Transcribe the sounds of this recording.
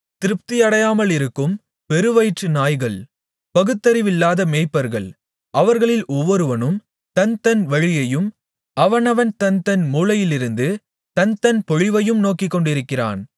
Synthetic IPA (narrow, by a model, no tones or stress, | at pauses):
t̪ɪɾɯp̚t̪ɪjɐɽɐjaːmɐlɪɾɯkːɯm | pɛɾɯʋɐɪʈrɯnaːjɣɐɭ | pɐɣɯt̪ːɐɾɪʋɪlːaːðɐmeːpːɐɾɣɐ̰ɭ | ʔɐʋɐɾɣɐɭɪlɔʋːɔɾɯʋɐnɯm | t̪ɐnt̪ɐnʋɐɻɪjɐjɯm | ɐʋɐnɐʋɐnt̪ɐnt̪ɐnmuːlɐjɪlɪɾɯnd̪ɯ | t̪ɐnt̪ɐnpɔɻɪʋɐjɯmnoːkɪkːɔɳɖɪɾɯkːɪra̰ːn